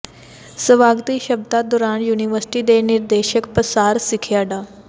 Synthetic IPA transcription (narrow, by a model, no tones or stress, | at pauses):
səʋaɡt̪iːɕəb̚d̪at̚d̪oɾanjuniʋəɾsi̥ʈiːd̪eniɾd̪eɕəkpɾəsaɾsikʰjaɖa